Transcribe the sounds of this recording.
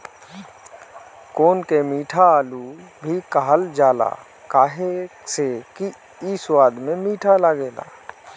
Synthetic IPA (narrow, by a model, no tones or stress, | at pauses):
koːnkemiːʈʰaaːlubʱikaɦəld͡ʒaːla̰ː | kaːɦeseki | iswaːd̪mẽmiːʈʰalaɡeːla̰ː